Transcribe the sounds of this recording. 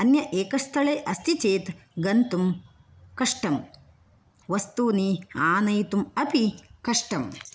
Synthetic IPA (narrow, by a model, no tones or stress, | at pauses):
ɐnjɐʔeːkɐst̪ʰɐɭeːʔɐst̪ʰit͡ʃeːt̪ɡɐnt̪um | kɐʂʈɐm | ʋɐst̪uːniaːnɐjt̪umɐpikɐʂʈɐm